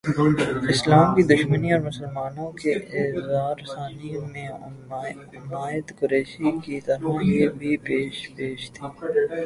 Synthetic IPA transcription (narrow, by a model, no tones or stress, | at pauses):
ɪslaːmkid̪ʊʃməniɔːɾmʊsəlmaːnõkeɪzaːɾsaːnimẽ | maːjət̪kʊɾeːʃikit̪ɐɾalebʱipeːʃpeːʃt̪ʰiː